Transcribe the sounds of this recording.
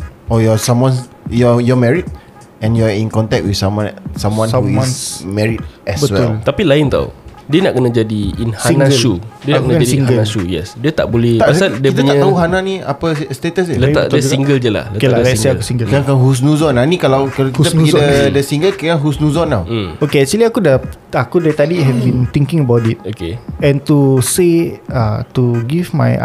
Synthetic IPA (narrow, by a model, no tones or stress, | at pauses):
ɔjɔsamwãn | jɔjɔmɛɹit̪̚ | ɛ̃njuaĩnkɔ̃nt̪ɛk̚t̚wisamsãmwãnsumɛɹit̪̚ɛbəwɛlt̪apilaɪnt̪a̰wdiənaʔkənad͡ʒadiinhanasudiənakənaaiiɡəasujɛ̰sdiət̪a̰ʔbolɛh̪assadiəitp̪aɲaʔt̪aɦuɦananĩa̰pəst̪et̪əsələa̰d̪ad͡ʒuɡiŋɡəld͡ʒəla̰hləkelaalɛsseakusiŋɡəlaŋkanɦus̬nũzɔnanĩkalawkakit̪aidədəsiŋɡəlkkaŋɦusnũzɔnːa̰w̩okesiliakudə | akudet̪adiɦɛvbint̪iŋkɪ̃ŋəbawtit̚okḛɛ̃ntuseatuɡivma̰j̰